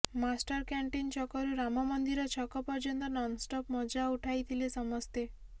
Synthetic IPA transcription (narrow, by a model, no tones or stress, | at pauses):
masʈɔɾkaɳʈint͡ʃɔkɔɾuɾamɔmɔnd̪iɾɔt͡ʃʰɔkɔpɔɾd͡ʒɔnd̪ɔnɔnsʈɔpmɔd͡ʒauʈʰajt̪ʰilesɔmɔst̪e